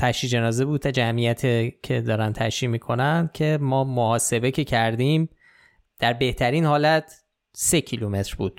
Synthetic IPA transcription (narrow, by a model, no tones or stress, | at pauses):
t̪ʰæʃiːd͡ʒe̞nɒːzebuːd̪̚t̪æd͡ʒæmijæt̪ʰecʰe̞d̪ɒːɾænt̪ʰæ̰ʃiːmiːkʰo̞nænd̪cʰe̞mɒːmohɒːse̞becʰe̞cʰæɾd̪iːm | d̪̥æɾbeht̪ʰæɾiːnhɒːlæt̪ʰ | se̞cʰilume̞t̪ɾbṵːd̪̥̚